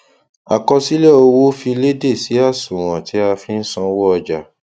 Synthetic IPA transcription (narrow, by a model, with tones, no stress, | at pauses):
a˨kɔ˧si˦lɛ˦˨o˧wo˦fi˧le˦de˦˨si˨˦a˦˨sũ˨w̃ɔ̃˨ti˨˦a˧fi˧˦n̩˦sɔ̃˧wɔ˦ɔ˧d͡ʒa˨